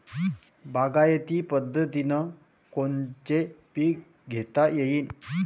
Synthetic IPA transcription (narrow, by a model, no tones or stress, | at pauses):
baɡajət̪iːpəd̪ʱːət̪inə | kont͡ɕepi | ɡʱet̪ajejiːn